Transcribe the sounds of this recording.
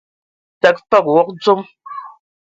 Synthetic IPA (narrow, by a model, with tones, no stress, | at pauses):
ta˨k̚fa˦˨k̚wɔ˦k̚t͡so˦m